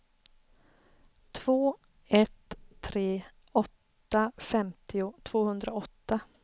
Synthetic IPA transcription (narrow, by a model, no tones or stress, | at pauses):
t̪ʰv̥oː | ɛt̪ʰːɾeː | ɔt̪ːafɛmt̪ʰɪʊt̪ʰv̥oːhɵnd̪ɾaɔt̪ːa